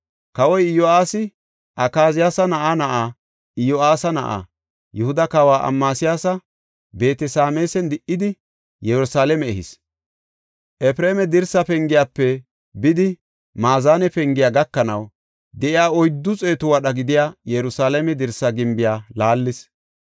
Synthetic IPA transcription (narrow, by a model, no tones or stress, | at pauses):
kɐwɔjɪjɔaːsɪ | ʔɐkaːzɪjaːsɐnɐʔanɐʔaː | ɪjɔaːsɐnɐʔa̰ | jʊhʊd̪ɐkawaːʔɐ̰mːaːsɪjaːsɐ | be̞ːt̪ɛsaːmeːsɛnd̪ɪʔːɪd̪ɪ | jɛɾʊsaːlɛmɛɛhɪ̰s | ʔɛpɾeːmɛd̪ɪɾsɐpɛŋɡɪjaːpːɛ | bɪd̪ɪ | maːzaːnɛpɛŋɡɪjaːɡɐkːɐnɐw | d̪ɛʔɪjaːɔjd̪ːʊt͡sʼe̞ːt̪ʊwɐɗɐɡɪd̪ɪjaːjɛɾʊsaːlɛmɛd̪ɪɾsɐɡɪmbɪjaːlaːlːɪs